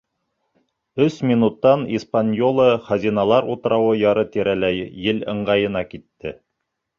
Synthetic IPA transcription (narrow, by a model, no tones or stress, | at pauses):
ɵsmʲinut̪ːɑnispanʲjolˠɤχɑzʲinɑlˠɑɾut̪ɤ̆ɾɑwɤjɑɾɤt̪iɾælæjːɘlɤ̆ɴɢɑjɤ̆nɑkit̪ːɘ